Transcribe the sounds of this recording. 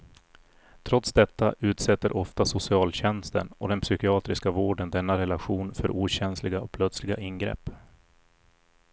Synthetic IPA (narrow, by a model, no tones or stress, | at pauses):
t̪ʰɾɔt̪sd̪ɛt̪ːaʔʉ̟ːt̪sɛt̪ːəɾʔɔft̪asʊsɪɑːlɕɛnst̪ə̰nɔd̪ɛnpsʏkɪɑːt̪ɾɪskavoːɖənd̪ɛnːaɾɛlaɧuːnfœ̰ɾʔuːɕɛnslɪɡaɔpʰlœt̪slɪɡaʔɪnɡɾɛ̰pː